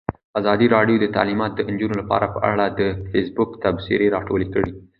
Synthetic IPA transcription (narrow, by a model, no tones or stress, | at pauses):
azɑd̪iɾɑɖjod̪ət̪a̰limɑt̪̚d̪ənd͡ʒunolapɑ̰ɾapəʔa̰ɽad̪əfesbʊkt̪absḭɾeɾɑʈolekəɽi